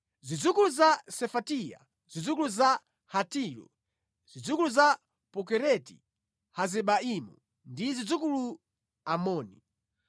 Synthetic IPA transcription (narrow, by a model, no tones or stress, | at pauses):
zid͡zukuluzasɛfatija̰ | zid͡zukuluza | hatiɾɔ̰ | z̥id͡zukuluza | pɔkɛɾɛtḭ | hazɛɓaimṵ | ndizid͡zukulu | amɔːnḭ